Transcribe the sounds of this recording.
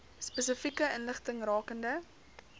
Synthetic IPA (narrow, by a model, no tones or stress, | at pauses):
spəs̬əfikəənləχtəŋrɑːkəndə